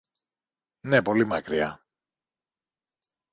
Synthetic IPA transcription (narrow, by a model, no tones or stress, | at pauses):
ne̞po̞limɐkɾiɐ̰